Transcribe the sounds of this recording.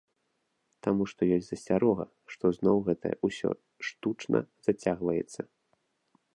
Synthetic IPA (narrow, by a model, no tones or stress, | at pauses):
t̪amuʂt̪ɔjɔsʲzɐsʲt͡sʲaɾɔɣɐ̰ | ʂt̪ɔznɔwɣɛt̪ɐjɛ̰ʔusʲɔ̰ | ʂt̪ut͡ʂnʔɐ̰z̥at͡sʲaɣvɐjɛ̰t̪sːɐ